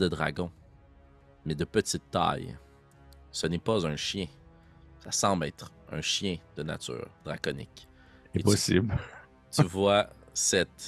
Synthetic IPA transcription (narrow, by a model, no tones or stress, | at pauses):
d̪əd̪ʁa̰ɡɔ̃ | mɛd̪əpət̪it̪ːa̰j | sənɛpazœ̃ʃjɛ̃ | sasɑ̃ːblɛːt̪χœ̰̃ʃjɛ̃d̪əna̰t̪y̰ːʁd̪ʁakɔnɪ̰k | ɛepɔsibl | t̪yvwasɛt̪